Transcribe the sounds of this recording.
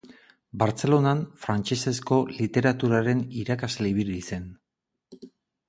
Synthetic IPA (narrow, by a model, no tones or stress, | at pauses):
baɾt͡se̞lo̞nanfɾant͡ʃe̞se̞sko̞lit̪e̞ɾat̪uɾaɾe̞niɾakazle̞iβiɾise̞n